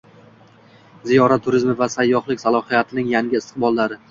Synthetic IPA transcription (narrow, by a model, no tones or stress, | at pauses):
zijɒɾat̪ʰːʊɾɪzmɪvasajːɒhlˠɪkʲsalˠɒhɨjat̪ʰɪnɪŋjaŋɡʲɪɪst̪ɨ̥qbɒlˠːaɾɪ